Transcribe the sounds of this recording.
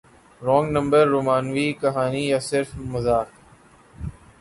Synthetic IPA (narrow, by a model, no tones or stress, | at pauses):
ɾɔ̃ːŋɡnɐ̃mbəɾːoːmãːnʋiːkɐɦaːnijasɪɾfmɐzaːk